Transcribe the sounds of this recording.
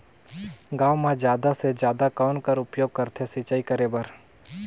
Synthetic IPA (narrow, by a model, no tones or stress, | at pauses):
ɡaːwmãd͡ʒjaːd̪ased͡ʒjaːd̪akaːʊnkəɾʊpjoːɡ̚kəɾt̪ʰesit͡ʃaːikəɾeːbəɾ